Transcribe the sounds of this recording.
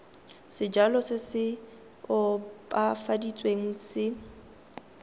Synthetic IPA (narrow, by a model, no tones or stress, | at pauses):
sɪd͡ʒalɔsɪsɪ | ʊpʼafadit͡sʼweŋ̩sɪ